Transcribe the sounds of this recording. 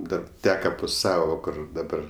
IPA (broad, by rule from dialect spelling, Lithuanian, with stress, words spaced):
ˈdɐr ˈtʲæːkɐ pʊ ˈsɑːʋoː ˈkʊr dɐˈbɐr